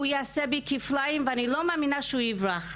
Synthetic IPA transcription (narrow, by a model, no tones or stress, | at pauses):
ujaːsebikiflaimveanilomaːminaʃeuivʁaχ